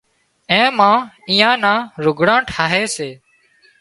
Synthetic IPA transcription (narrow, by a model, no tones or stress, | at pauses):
ẽːmãː | iːãːnãːɾʊɡʱɽãːʈʰaːɦeːseː